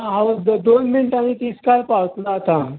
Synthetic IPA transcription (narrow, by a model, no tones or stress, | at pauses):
ɦaʋd̪onminʈaɽ̃it̪iːskaɾpaʋt̪laːt̪a